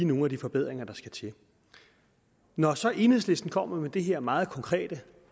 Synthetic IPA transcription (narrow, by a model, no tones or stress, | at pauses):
no̝ːn̩æd̥ifɒ̽b̥e̝ð̞̰ˠʁeŋɐd̥ɑ̈sɡ̥æt͡sʰe̝ | nɒsɒ̽ʔe̝nhḛsle̝sd̥n̩kʰɒ̽m̰ɐmed̥e̝ɦeɐ̰mɑ̈ːð̞̩ˠkʰɒ̽ŋkʰʁɛ̰ːd̥ə